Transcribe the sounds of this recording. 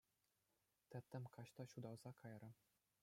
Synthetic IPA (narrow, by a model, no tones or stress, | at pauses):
t̪ʲɘ̆t̪ʲːɘ̆mkɑɕt̪ɑɕud̪ɑwzɑkʰɑjrɤ̆